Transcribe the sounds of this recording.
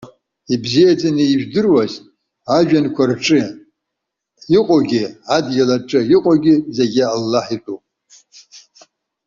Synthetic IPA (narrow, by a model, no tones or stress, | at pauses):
ibzijat͡sʼaniiʒᶣdɨrwaz | aʒᶣankʷʰarʈ͡ʂʼɨ | iqʼoɡʲɪadɡʲalaʈ͡ʂʼɨiqʼoɡʲɪzeɡʲɪalːaħitʼupʼ